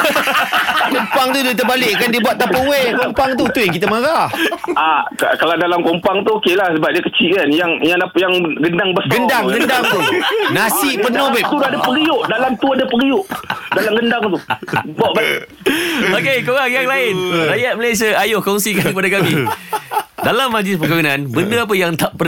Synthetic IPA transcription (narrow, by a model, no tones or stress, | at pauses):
kompaŋt̪udit̪̬əbalɪʔkandibwat̪̚t̪ːapəwekompaŋt̪ut̪ujaŋk̬it̪əmaɾahaka̰kalawdalamkompaŋt̪uokelahsəbap̚diəkət͡ʃiʔkanjaŋjaŋdapjaŋɡəndaŋbəsɡəndaŋɡəndaŋt̪unasɪʔpənobɛt̪udadapəɾiʊʔdalamt̪uadəpəɾiʊʔdalamɡəndaŋt̪ubɔʔba̰ | okekoɣaŋjaŋlaɪnrajat̪̚məlajs̬iaajʊhkɔŋsikankəp̬adakami | dalamːad͡ʒlɪspəkajunãnbəndəap̬əjaŋt̪aʔpə